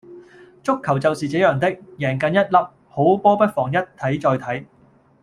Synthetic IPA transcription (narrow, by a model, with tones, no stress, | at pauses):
t͡sʊ˥kʰːɐ˨˩wt͡sɐ˨wsiː˨t͡sɛ˨˥jœː˨˩ŋt̪ɪ˥k̚jɛː˨˩ŋkɐ˨˧njɐ˥t̚lɐ˨p̚ | ho˨˥wpɔː˥pɐ˥t̚fɔː˨˩ŋjɐ˥t̚t̪ʰːɐ˨˥jt͡sɔː˧jt̪ʰɐ˨˥j